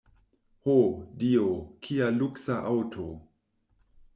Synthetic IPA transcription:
hodiokʰialuksaʔawtʰo

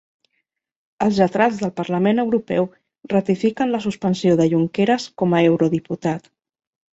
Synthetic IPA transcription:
əlˠzət̪ɾad͡zðəlˠpəɾləmenəwɾupɛw | rət̪ifikənləsuspənsioðəʎuŋkeɾəskɔməewɾuðiput̪at̪

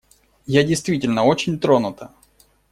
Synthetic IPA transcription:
jadʲɪjst̪vʲitʲɪlʲnəot͡ɕɪnʲt̪ɾo̞nʊt̪ə

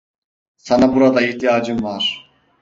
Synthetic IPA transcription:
sanabuɾad̪aiht̪ʰijaːd͡ʒɯmvaɾ̥

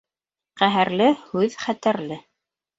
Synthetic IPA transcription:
qæɦæɾlɘhʉðχæt̪æɾlɘ

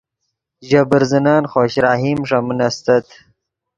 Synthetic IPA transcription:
ʑɐbɨɾzinaːnχoːɕɾaːɦimʂɐmunɐst̪ɐt̪

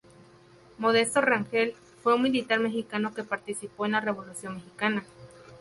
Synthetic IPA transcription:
mo̞ðe̞st̪o̞raŋxel | fwe̞unmilit̪aɾme̞xikano̞ke̞paɾt̪isipoenlare̞βo̞lusjo̞nmexikana

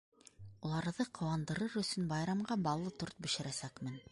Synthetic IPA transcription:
ulˠɑɾðɤqʰŏwɑnd̪ɤ̆ɾɤɾɵ̆sɵnbɑjɾɑmɢɑbɑlˠːɤt̪uɾt̪̚bɵ̆ʃɘ̆ɾæsækmɘn

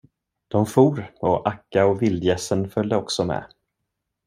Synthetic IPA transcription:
d̪̥ɔmfuːɾɔʔakːaɔvɪld̪jɛsːənfœld̪əɔksɔmɛ̰

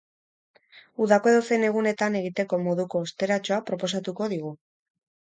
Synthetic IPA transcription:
uðako̞e̞ðose̞ne̞ɣ̞une̞t̪ane̞ɣit̪e̞ko̞mo̞ðuko̞ːst̪e̞ɾat͡ʃo̞apɾo̞po̞s̬at̪uko̞ð̞iɣ̞u

